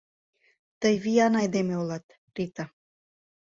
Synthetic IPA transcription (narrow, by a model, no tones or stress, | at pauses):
t̪əjviɑnɑjd̪emeolɑt̪ | rit̪a